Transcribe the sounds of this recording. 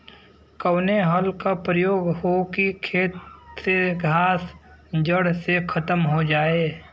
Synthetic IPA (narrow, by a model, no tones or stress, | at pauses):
kəwneɦəlkapɾəjoːɡɦokikʰeːt̪seɡʱaːs | d͡ʒəɽsekʰət̪əmɦod͡ʒaːeː